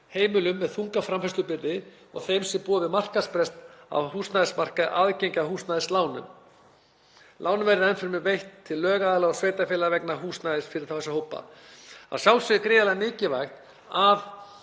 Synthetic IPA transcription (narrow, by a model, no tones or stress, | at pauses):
heːjmʏlʏmːɛðθuŋkafɾamfaɛst̪ʏpɪɾðɪ | ɔ̰ɣθejmsɪpuːavɪmar̥kaspɾɛst̪a̰whuːsnaðɪsmar̥kaʔaðcejɲcaɦuːst̪naðɪslaːwnʏ̰m | laːwnʏmvɛɾɪɛnfɪɾmɪvejht̪ʰːɪlːœːɣaːðlaɔsveːjt̪afɪːlaðvɛknaɦuːst̪naðɪsfɪɾɪɾ̥θawθɛsahowpa̰a̰sjawsɪkɾɪːðalamɪːcɪvajxt̪ | að